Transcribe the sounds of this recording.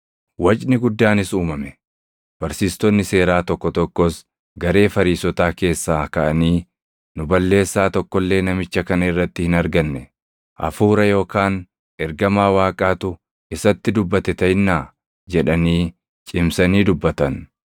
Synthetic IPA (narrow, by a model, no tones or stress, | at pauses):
wɐt͡ʃʼnɪɡʊd̪ːaːnɪsuːmɐmɛ | b̥ɐɾsiːst̪ɔnːɪse̞ːɾaːt̪ɔkːɔt̪ɔkːɔs | ɡɐɾe̞ːfɐɾiːsɔt̪aːke̞ːsːaːkɐʔɐniː | nʊbɐlːe̞ːsːaːt̪ɔkːɔlːe̞ːnɐmɪt͡ʃːɐkɐnɐɪrːɐt̪ːɪhɪnɐɾɡɐnːɛ | ʔɐ̰fuːɾɐjo̞ːkaːn | ɛɾɡɐmaːwaːkʼaːt̪ʊ | ɪsɐt̪ːɪd̪ʊbːɐt̪ɛt̪ɐjnːaː | d͡ʒɛᶑɐniː | t͡ʃʼɪmsɐniːd̪ʊbːɐt̪ɐn